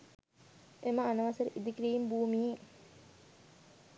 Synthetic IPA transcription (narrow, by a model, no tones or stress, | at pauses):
emɐːnɐʋɐsɐɾiʔid̪ikɾiimbuːmie